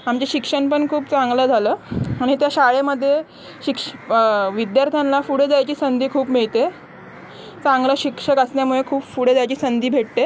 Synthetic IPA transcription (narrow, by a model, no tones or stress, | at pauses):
amt͡ɕeɕikʂəɳpəɳkʰuːp̚t͡sãŋɡləːd͡zʱaləːaɽ̃it̪jaɕaɭeməd̪ʱːje | ɕikʂʋid̪jaɾt̪ʰjanlafuɽed͡zajt͡ɕiːsənd̪ʱiːkʰuːpmiɭt̪e | t͡sãŋɡləɕikʂəkəsnjamuɭekʰuːpfuɽed͡zajt͡ɕiːsənd̪iːbʱeʈ̚t̪e